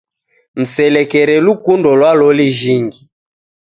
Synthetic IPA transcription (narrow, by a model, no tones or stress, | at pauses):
m̩sɛlɛkɛɾɛlukundɔlwalɔliʒiŋɡi